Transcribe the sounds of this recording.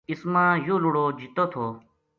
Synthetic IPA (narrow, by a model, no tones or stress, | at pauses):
ɪsmãːjoːluɽoːd͡ʒit̪oːt̪ʰoː